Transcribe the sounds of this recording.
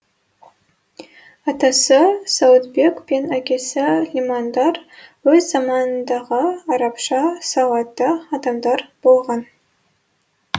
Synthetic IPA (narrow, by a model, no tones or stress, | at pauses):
ɑt̪ɑsəsawt̪be̞kpe̞nækʲe̞sɪlʲimand̪ɑɾwɵzːɑmɑnənd̪ɑʁəɑɾɑpʃɑsɑwɑt̪ːɑɑd̪ɑmd̪ɑɾb̥olˠʁɑn